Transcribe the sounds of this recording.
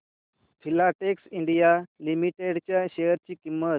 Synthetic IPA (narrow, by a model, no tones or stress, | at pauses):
fʰilaʈeksiɳɖijalimiʈeɽt͡ɕjaɕejəɾt͡ɕiːkimːət̪̚